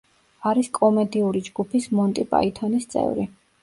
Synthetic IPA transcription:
aɾiskʼɔmɛd̪iuɾid͡ʒɡupʰismɔnt̪ʼipʼa̰it̪ʰɔnist̪sʼɛ̰vɾḭ

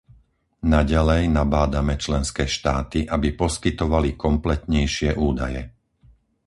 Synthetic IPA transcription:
naɟalɛjnabaːd̪amɛt͡ʃlɛnskɛːʃt̪aːt̪iʔabipɔskit̪ɔʋalikɔmplɛt̪ɲɛjʃɪɛʔuːd̪ajɛ

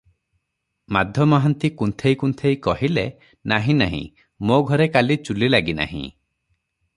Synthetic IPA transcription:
mad̪ʱjɔmɔɦant̪ikunt̪ʰejkunt̪ʰejkɔɦile | naɦĩnaɦḭ̃ | moɡʱɔɾekalit͡ʃulilaɡina̰ɦḭ̃

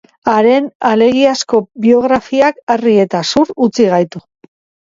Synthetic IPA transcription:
aɾe̞nale̞ɣiasko̞bio̞ɣ̞ɾafiakarie̞t̪asuɾut͡siɣ̞ajt̪u

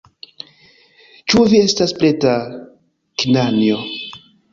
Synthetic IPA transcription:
t͡ʃuvie̞staspleta | kinanjo

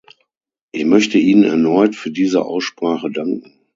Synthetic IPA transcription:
ʔɪçmœçtəiːnənɛ̰ɐnɔʏtfyːɐdiːzə̰ʔa̰ʊsʃpʁ̥aːχədaŋkŋ̩

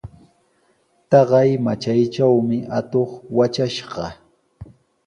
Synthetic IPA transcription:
t̪ɑɢɑjmat͡ʃajt͡ʃawmɪʔat̪oχwat͡ʃaʃɢɑ

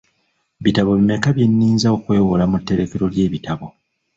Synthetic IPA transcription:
βitaβo̞βime̞kaβje̞nːiːnzaokwe̞ːwolamutːe̞ɾe̞ke̞ɾo̞lje̞ːβitaβo̞

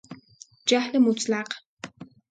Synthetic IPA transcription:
d͡ʒaħlɐmut͡sʼlaq

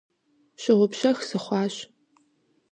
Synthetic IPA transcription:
ɕɪʁʷʊpɕɐxsɨχʷɑːɕ

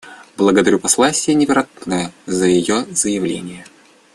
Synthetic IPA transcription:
blˠəɡəd̪ɐɾʲupɐslˠasʲɪjənʲɪvʲɪɾat̪nəjəzəjɪjozəjɪvlʲḛnʲɪjə

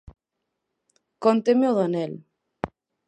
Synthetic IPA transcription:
kɔnt̪emeoðanel

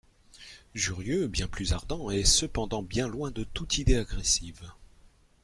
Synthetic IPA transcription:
ʒyʁjøbjɛ̃plyzaʁd̪ɑ̃ɛsəpɑ̃d̪ɑ̃bjɛ̃lwɛ̃d̪ət̪ut̪ʰid̪eaɡʁesiv

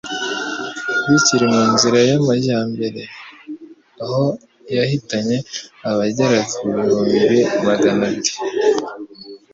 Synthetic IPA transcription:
βiciɾimuːnziɾajamaɟaːmbe̞ɾe̞ | aho | jahitaɲe̞aβaɟaɾakɾɾomiβemaɡanabi̥

